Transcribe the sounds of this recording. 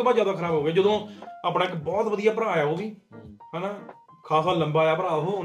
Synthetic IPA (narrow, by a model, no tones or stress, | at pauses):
baːzjaːd̪aːkʰəɾaːbɦoːɡeːd͡ʒəd̪õːaːpɽãːɪkbɔːt̪ʋəd̪ijaːpɾãːjaːoːʋiːɦɛːnaː | kʰaːsaːləmbaːjaːpɾaːɦoː